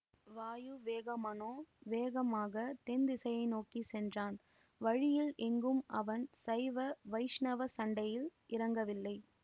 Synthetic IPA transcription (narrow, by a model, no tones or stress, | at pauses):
ʋaːjɯʋeːɣɐmɐnoːʋeːɣɐmaːɣɐt̪ɛnd̪ɪsɐjɐɪnoːkisɛndraːn | ʋɐɻɪjɪlʔɛŋɡɯmɐʋɐnsɐɪʋɐʋɐɪʂnɐʋɐsɐɳɖɐjɪlʔɪɾɐŋɡɐʋɪlːɐɪ